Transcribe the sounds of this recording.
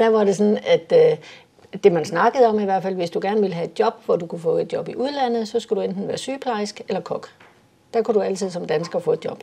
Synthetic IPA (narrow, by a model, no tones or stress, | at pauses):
d̥æʋɑ̈ɾe̝s̬ɒnæd̥ | d̥e̝mænsnɑ̈ɡ̥əð̞̩ˠɒ̽miʋæɐ̰dfæl̰ʋe̝sd̥uɡ̥æɐnʋiləɦæe̝d̥jɒ̽b̥ʋɒd̥ukʰufɔ̰̽ːe̝d̥d̥jɒ̽b̥iʔuð̞ˠlæn̰ð̞̩ˠsɒ̽sɡ̥ud̥uend̥n̩ʋæːɐsyːpʰlɑ̈ɪsɡ̥elɐkʰɒ̽ɡ̥ | d̥ækʰud̥uæl̰t͡sʰið̰ˠsɒ̽md̥ænsɡ̥ɐfɔ̰̽ːe̝d̥jɒ̽b̥